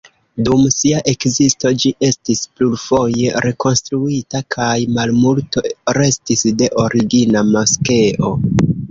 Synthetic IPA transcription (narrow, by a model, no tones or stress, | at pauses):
dumsiaʔe̞kzisto̞d͡ʒiʔe̞stisplulfo̞je̞ɾe̞ko̞nstɾuitakʰajmalmulto̞ɾe̞stisde̞ʔo̞ɾiɡinamaske̞ʔo̞